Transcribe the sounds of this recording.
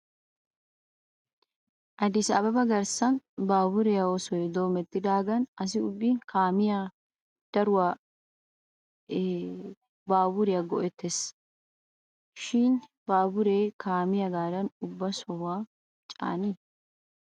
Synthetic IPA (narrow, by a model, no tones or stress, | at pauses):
ʔɐd̪ɪsɐːbɐbɐɡɐɾsɐnbaːbʊɾɛjɐwɔsɔjɛd̪oːmɛt̪ːɪd̪aːɡɐnɐs̬ɪʊbːiːnkʰaːmɪja | d̪̥ɐɾʊwa | baːbʊɾɪjɐɡɔʔɛt̪ːes | ʃiːn | baːbʊɾeːkʰaːmɪjɐɡaːdɐnʊbːɐsɔhaː | t͡ʃʼa̰ːni